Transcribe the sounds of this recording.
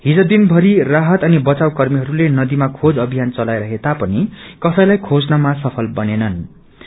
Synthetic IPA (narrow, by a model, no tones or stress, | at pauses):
ɦid͡zod̪inbʱʌɾiraɦʌt̪ʌnibʌt͡sawkʌrmiɦʌɾulenʌd̪imakʰod͡zʌbʱijant͡sʌlajɾʌɦet̪apʌnikʌsʌjlajkʰod͡znʌmasʌpʰʌlbʌnenʌn